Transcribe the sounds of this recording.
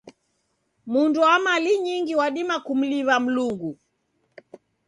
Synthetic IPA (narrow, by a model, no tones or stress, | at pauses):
mundɔamaliɲiŋɡiwaɗimakum̩liβam̩luŋɡu